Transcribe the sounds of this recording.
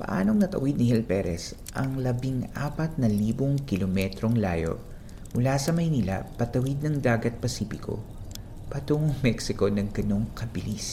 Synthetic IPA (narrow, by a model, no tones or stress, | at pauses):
pɐ̰ʔaːno̞ŋnɐt̪ɐ̰wid̪̚nɪhɛlpɛɾʔɛ̰s | ʔɐŋlɐbiŋʔa̰ːpɐt̪̚nɐliːboŋkɪlomɛt̪ɾo̞ŋla̰ːjo̞̰ | mʊlasɐmɐjniːlɐ̰pɐt̪ɐwid̪̚nɐŋd̪aːɡɐt̪̚pɐsiːpɪko̞̰ | pɐt̪uŋoŋmɛksɪko̞nɐŋɡɐno̞ŋkɐbɪlis